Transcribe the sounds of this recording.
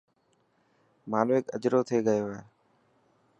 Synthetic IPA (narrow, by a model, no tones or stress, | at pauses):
maːloːeːkə̰d͡ʒɾoːt̪ʰeːɠəjoːaːɦeː